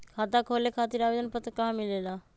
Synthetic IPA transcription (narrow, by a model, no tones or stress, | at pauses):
kʰaːt̪akʰoːlekʰaːt̪iɾaːʋeːd̪ənpət̪kãɦmɪleːlaː